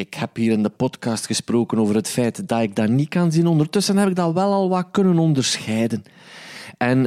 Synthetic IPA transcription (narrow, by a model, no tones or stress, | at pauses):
ɪkhɛpɦiːɾɪndəpɔtkɑːstxəsproːkənoːvərɦətfɛjtd̥ɑtɪɡ̚darnit̚kɑnzinɔndərtɵsənɦɛpɪɡ̚dɑʋɛlˠɑlˠʋɑkɵnənɔndərsxɛjdən | ʔɛn